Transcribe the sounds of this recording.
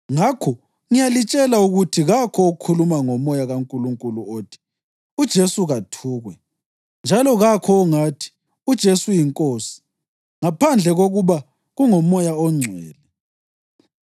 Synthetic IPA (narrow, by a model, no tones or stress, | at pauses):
ŋakʰɔ | ŋijalit͡ʃʼɛlauɣutʰiɣakʰɔːkʰulumaŋɔmɔjaɣaŋkʼuluŋkʼuluoːtʰi̥ | ud̥ʒ̥ʱesuɣatʰuːɣwɛ | nd͡ʒʱalɔɣakʰɔːŋatʰi̥ | ud̥ʒ̥ʱesujiŋkʼoːsi̥ | ŋapʰand͡ɮʱɛɣoɣuβa | ɣuŋɔmɔjaɔŋ͡ǀʱwɛ̰ːlɛ